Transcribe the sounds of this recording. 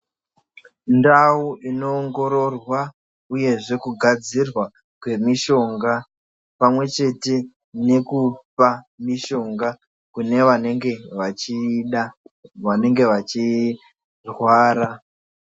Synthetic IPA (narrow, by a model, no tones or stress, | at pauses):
ndauino̞ːŋɡo̞ɾo̞rwa | uje̞ʐe̞kuɡʱad͡zirwa | kwe̞miʃo̞ŋɡa | pamwe̞t͡ʃe̞te̞ | ne̞kup͡fa | miʃo̞ŋɡa | kune̞ʋaneŋɡe̞ʋat͡ʃiɗaʋane̞ŋɡe̞ʋat͡ʃi | rwaːɾa